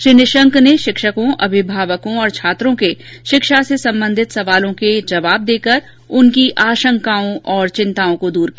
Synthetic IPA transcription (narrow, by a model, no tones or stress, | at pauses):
ʃɾinɪʃə̃ŋkneʃɪkʃəkõʔɐbʱɪbʱaːʋəkõɔːɾt͡ʃʰaːt̪ɾõkeʃɪkʃasesɐ̃mbə̃nd̪ʱɪt̪sɐʋaːlõked͡ʒɐʋaːb̚d̪eːkəɾ | ʊnkiʔaːʃə̃ŋkaːõʔɔːɾt͡ʃɪ̃nt̪aːõkod̪uːɾkː